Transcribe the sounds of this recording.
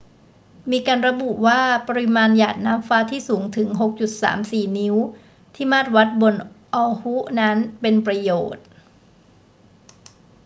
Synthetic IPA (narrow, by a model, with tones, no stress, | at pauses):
miː˧kaː˧nɾa˧bu˨˩ʔwaː˥˩pa˧ɾi˧˩maː˧njaː˨˩t̪̚naː˦˥mfaː˦˥t̪ʰiː˥˩suː˩˦ŋt̪ʰɯ˩˦ŋɦo˨˩k̚t͡ɕu˨˩t̪̚sa̰ː˩˦msiː˨˩ni˦˥w | t̪ʰiː˥˩maː˥˩t̪̚wa˦˥t̪̚bo˧nʔɔː˧hu˦˥ʔna˦˥npe˧npɾa˧joː˨˩t̪̚